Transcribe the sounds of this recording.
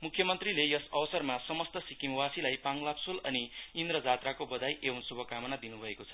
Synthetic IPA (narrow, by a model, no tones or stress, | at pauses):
mukʰjʌmʌnt̪rilejʌsʌwsʌrmasʌmʌst̪ʌsikimwasilajpaŋlapsulʌniind̪rʌd͡zat̪rakobʌd̪ajʔewunsubʱʌkamʌnad̪inubʱʌekot͡sʰʌ̥